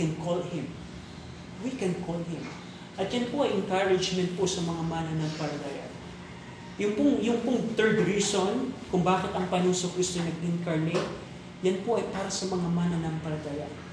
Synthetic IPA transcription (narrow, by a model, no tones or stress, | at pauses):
ɛnkʰolhɪm | wikɛnkʰolhɪm | ʔɐt̪̚jɐnpoʔɐjʔɛŋkaɹɪd͡ʒmɛnt̪̚po̞sɐmɐŋamanɐnɐŋpɐlɐt̪ɐja̰ | jʊŋpʊŋjʊŋpʊŋt̪ɛɹd̪ɾiːsonkʊŋbaːkɪt̪ɐŋpɐnuːsokɾist̪onɐɡ̚ʔɪŋkaɹnɪ | jɐnpo̞ʔɐjpaːɾɐsɐmɐŋamanɐnɐmpɐɾɐt̪ɐja